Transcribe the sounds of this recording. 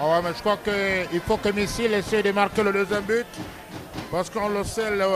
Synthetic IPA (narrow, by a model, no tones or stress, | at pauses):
awɛmɛʒəkwakəilfokəmisilesɛjd̪əmaʁkeləd̪øzjɛmbyt̪ | paʁsə̥kəɔ̃losɛl